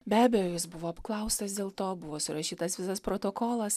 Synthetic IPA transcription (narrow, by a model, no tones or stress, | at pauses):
bʲæːbʲɛjoːjɪsbʊʋoːɐpklˠɐʊst̪ɐsd̪ʲeːlˠt̪oːbʊʋoːsʊɾɐʃʲiːt̪ɐsʋʲɪsɐspɾoːt̪oːkoːlˠɐs